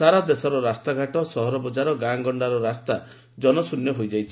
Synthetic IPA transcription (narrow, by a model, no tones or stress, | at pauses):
saɾad̪esɔɾɔɾast̪aɡʱaʈɔsɔɦɔɾɔbɔd͡ʒaɾɔɡaŋɡɔɳɖaɾɔɾast̪a | d͡ʒɔnɔsunjɔɦojd͡ʒajt͡ʃʰi